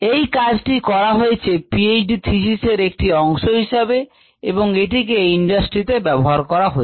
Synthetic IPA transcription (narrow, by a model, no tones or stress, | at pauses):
ejkad͡ʑʈikɔɾaɦoet͡ɕʰepied͡ʑɖit̪ʰiʃiseɾek̚ʈiɔŋʃoɦiʃabe | eboŋeʈikeiɳɖasʈɾit̪ebɛboɦaɾkɔɾaɦoe